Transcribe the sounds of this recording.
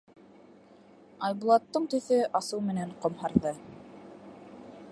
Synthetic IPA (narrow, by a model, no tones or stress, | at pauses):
ɑjbulˠɑt̪ːɤɴt̪ɵ̆θɵʔɑsɤwmɘ̆næɴqŏmhɑɾðɤ